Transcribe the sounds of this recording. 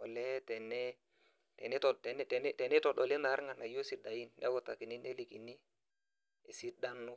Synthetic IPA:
ɔ˨lɛ˦tɛ˨nɛ˦ | tɛ̰˨nɛ˦tɔ˨tɛ˨n˦tɛ˨nɛ˦tɛ˨nɛ˦tɔ˨ɗɔ˨lɛ˦na˨˦ɾŋa˨na˨jo˦si˨˦da˨ji˦nːɛ̰˦wɔ˦ta˨ki˨ni˦nɛ˦li˨ki˨ni˦ | e˨si˦da˦nu˦

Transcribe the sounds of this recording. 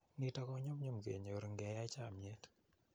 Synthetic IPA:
ni˦tɔ˦kɔ˦ɲo˦m˦ɲo˦mɡḛ˨ɲo˨ɾŋɡɛ˨ja˦t͡ʃa˦˨mɲɛ˦t

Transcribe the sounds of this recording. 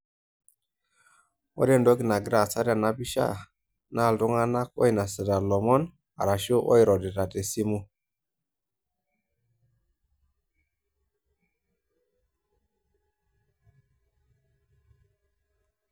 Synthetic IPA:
wo̰˦ɾe˦˨ndo˦ɡi˨na˨ɡɾa˨sa˦ɾa˨na˦bi˦ʃa̰˦˨ | na˦˨ldu˦ŋa˦na˦ko̰˦jna˨sə˨da˨lo˨mo˦n | a̰˨ɾa˨ʃo˦ʔo̰˦jɾo˨de˨ta˨te˨si˦mu˦

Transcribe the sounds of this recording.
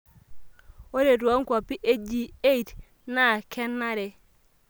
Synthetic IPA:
o˦ɾe˨tu˨a˦ŋ˦kʷa˨pi˦ʔe˦d͡ʒi˨e˦i˨t | na˦˨kʰɛ˦nːa˦ɾe˨

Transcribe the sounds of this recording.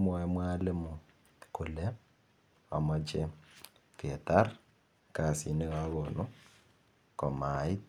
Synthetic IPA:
mwo˨i˦mwa˦le˦mu˨ | ku˨le˦ | o˨mɔ˦t͡ʃe | ke˨ta˦ɾ | ka˨si˨ne˦ɣaɣo˨nu˦ | kɔ˨ma˨i˦

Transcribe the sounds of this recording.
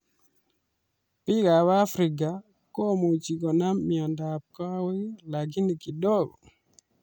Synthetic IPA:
pi˦ka˨wa˦fɾi˨ɡ̬a˨ | kɔ˦˨mo˨t͡ʃi˨kɔ˨na˦mːi˨ɔ˨nda˨p̚kɔ˦we˦la˨ɡi˦ni˨ki˨dɔ˦˨ɡɔ̰˨

